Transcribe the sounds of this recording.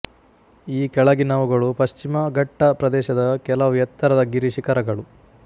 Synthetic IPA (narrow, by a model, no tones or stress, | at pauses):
iːkɛɭɐɡinɐʋuɡɐɭupɐʃt͡ʃimɐɡʱɐʈːɐpɾɐd̪ɛːʃɐd̪ɐkɛlɐʋjɐt̪ːɐɾɐd̪ɐɡiɾiʃikɐɾɐɡɐɭu